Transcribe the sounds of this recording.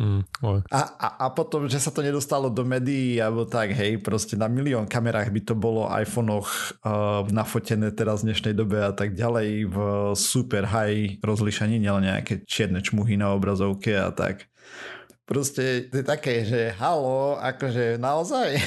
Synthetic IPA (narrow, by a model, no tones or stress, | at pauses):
ɔjʔaʔa̰ʔapɔt̪ɔmʒɛsat̪ɔɲɛd̪ɔst̪alɔd̪ɔmɛːd̪ijialbɔt̪aɡɦɛjpɾɔscɛnamiliɔːnkamɛɾaːɣbit̪ɔbɔlɔʔa̰jfɔnɔx | nafɔcɛnɛːt̪ɛɾazvd̪ɲɛʃnɛjd̪ɔbɛat̪aɡ̚ɟalɛjvsupɛɾɦajɾɔzliʃaɲiɲɛlɛnɲɛa̰kɛt͡ʃɪɛd̪nɛt͡ʃmuɦinaɔbɾazɔʊkɛa̰t̪a̰k | pɾɔscɛt̪ɔjɛt̪akɛːʒɛɦalɔa̰kɔʒɛnaɔzaj